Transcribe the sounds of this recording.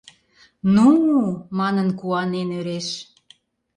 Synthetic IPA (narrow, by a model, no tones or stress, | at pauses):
numɑnənkuɑnenøɾeʃ